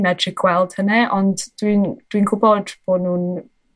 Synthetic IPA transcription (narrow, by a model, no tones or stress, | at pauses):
mɛdrɪkʰwɛlˠd̥hənɛɔndd̥wind̥winkʰʊbɔd̥b̥oːnuːn